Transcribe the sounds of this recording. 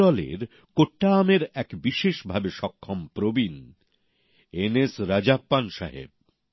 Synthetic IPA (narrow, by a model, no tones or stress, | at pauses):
ɔlḛɾ | koʈːaːmeɾɛkbiʃeʃbʱabeʃɔkʰːompɾobin | enesɾad͡ʑapːanʃaɦḛb̚